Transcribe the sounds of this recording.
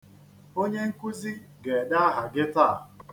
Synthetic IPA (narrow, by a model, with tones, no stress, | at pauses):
o˦ɲe˦ŋ̩˦ku˦zi˦ɡe˨da˦a˦ɦa˨ɡɪ˦ta˦˨